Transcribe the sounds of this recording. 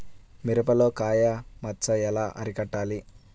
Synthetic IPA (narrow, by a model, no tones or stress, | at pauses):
miɾɐpɐlo̞ːkaːjɐmɐt͡ʃɐɛlaːʔɐ̰ɾikɐʈːaːli